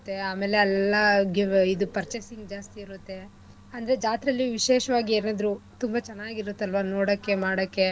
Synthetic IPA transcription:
t̪ːe̞aːmeːle̞ɐlːɐɡeid̪upɐɾt͡ʃesiŋɡd͡ʒaːst̪iːɾut̪ːe̞ | ɐnd̪ɐɾed͡ʒaːt̪ɾɐlːiʋiʃeːʃɐʋaːɡieːnaːd̪ɐɾut̪umbɐt͡ʃɛnːaːɡiɾut̪ːeɐlʋanoːɽɐkːe̞maːɽɐkːe

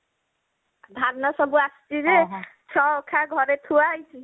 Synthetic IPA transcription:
d̪ʱaɾnasəbuastiɾet͡ʃʰɔokʰaɡʱɔɾet̪ʰuajt͡ʃʰi

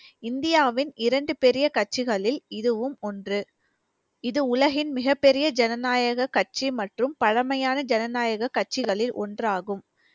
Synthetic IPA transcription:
ɪnd̪ɪjaːʋɪnɪɾɐɳɖɯpɛɾɪjɐkɐʈ̚t͡ʃːɪɣɐɭɪlɪðɯʋɯmɔndrɯ | ɪðɯʊlɐɣɪnmɪɣɐpːɛɾɪjɐd͡ʒɛnɐnaːjɐɣɐkːɐʈ̚t͡ʃimɐʈrɯmpɐɻɐmɐjaːnɐd͡ʒɛnɐnaːjɐɣɐkːɐʈ̚t͡ʃːɪɣɐɭɪlʔɔ̰ndraːɣɯm

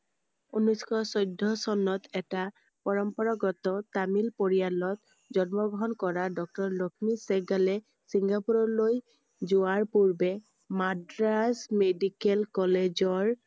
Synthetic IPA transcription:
unuskʰɔsɔjdʱːɔsɔnɔtɛta | pɔɹɔmpɔɹaɡɔtɔtamilpoɹijalɔt | d͡ʒɔnmɔɡɔɦɔnkɔɹadɔk̚tɔɹlokʰmisɛɡalɛ | siŋɡapuɹɔloj | zʊaɹpuɹbɛ | madɹasmedikɛlkɔled͡ʒɔɹ

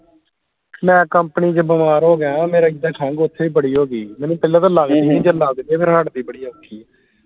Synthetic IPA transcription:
mɛ̃ːkəmpəniːd͡ʒəbəmaːɾɦoːɡãːmeːɾaːɪd̪aːkʰãːŋɡʊt̪ʰːeːiːbəɽiːɦoːɡiːmɛ̃ːnːũːpɪlːaːt̪ãːləɡd̪iːnĩːd͡ʒələɡd̪eːpʰɪɾɦəʈd̪iːbəɽiːəkːiː

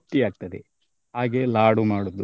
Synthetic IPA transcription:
ʈːiaːɡ̚t̪ɐd̪e | ɦaːɡelaːɽumaːɽud̪ːu

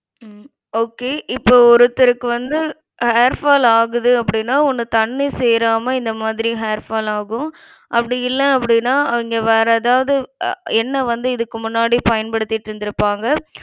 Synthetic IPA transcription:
oːkeːʔɪpːoːɔɾɯt̪ːɪɾɯkːɯʋɐnd̪ɯ | heːɾfaːlaːɣɯðɯɐpːɐɽɪnːaːɔnːɯt̪ɐɳːisɛjɾaːmɐɪnd̪ɐmaːðɪɾiɦeːɾfaːlaːɣɯ̃ | ʔɐpːɐɽɪjɪlːɛ̃ɐpːɐɽɪnːaːɐʋɪŋɡeʋɛːɾɐðaːʋɐðɯɛnːɐʋɐnd̪ɯɪðɯkːɯmʊnːaːɽipɐjɐnpɐɽɯt̪ːɪʈːɾɯnd̪ɪɾɯpːaːŋɡɐ

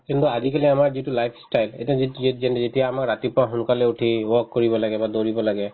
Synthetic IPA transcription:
kint̪uazikaliamaɹzitulajpʰsʈajlḛtaitd͡ʒɛndzetijaːmakɹatipɔãɦulkalɛuʈʰiwɔkːoɹibɔlaɡɛbad̪oɹibɔlaɡɛ

